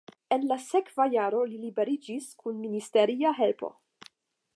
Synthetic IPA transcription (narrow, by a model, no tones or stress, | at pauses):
e̞nlase̞kvajaɾo̞lilibe̞ɾid͡ʒiskʰunministe̞ɾiaɦe̞lpo̞̰